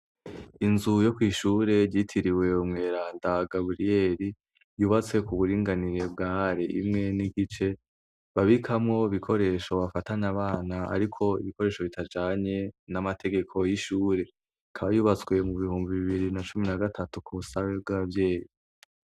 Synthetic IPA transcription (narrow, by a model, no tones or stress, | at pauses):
inzujo̞kwiːʃuːɾe̞ɟitʰiɾiwe̞umŋe̞ːɾaːndaɡabɾije̞ɾi | juːβat͡swe̞kuβuɾiːŋɡaniɾe̞bɡaːɾeʔḭmŋe̞niɡit͡ʃe̞ | βaβikʰamŋo̞iβikʰo̞ɾe̞ːʃo̞βafataɲaβaːnaa̰ɾikʰo̞ḭβiko̞ɾe̞ːʃo̞βitad͡ʒaːɲe̞namatʰe̞ɡe̞kʰo̞jiʃuːɾe̞ | kʰaβajuːβat͡swe̞muβihuːmbiβiβiɾinat͡ʃuminaɡatʰatukuusaweb̚ɡaβvje̞ːji